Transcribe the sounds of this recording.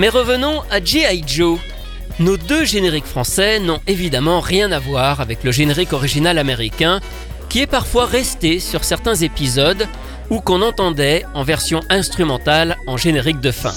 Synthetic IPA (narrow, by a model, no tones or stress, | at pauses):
mɛʁəvənɔ̃ad͡ʒiajʒo | nod̪øʒeneʁikfχɑ̃sɛnɔ̃evid̪amɑ̃ʁjɛ̃navwaʁavɛkləʒeneʁikɔʁiʒinalameʁikʲɛ̃ | kʲiɛpaʁfwaʁɛst̪esyʁsɛʁt̪ɛ̃zepizɔd̪ | ukɔ̃nɑ̃t̪ɑ̃d̪ɛɑ̃vɛʁsjɔ̃ɛ̃st̪χymɑ̃t̪alɑ̃ʒeneʁik̚d̪əfɛ̰̃